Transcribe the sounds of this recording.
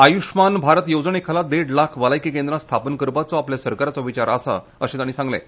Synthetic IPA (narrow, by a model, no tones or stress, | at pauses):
ajuʂmanbʱaɾət̪jod͡zɳekʰalad̪eɽlakʰʋəlajkikẽnd̪ɾãst̪ʰapənəkəɾpat͡sɔapljasəɾkaɾat͡sɔʋit͡ɕaɾəsa̰ | ə̰ɕẽt̪añiːsãŋɡlḛ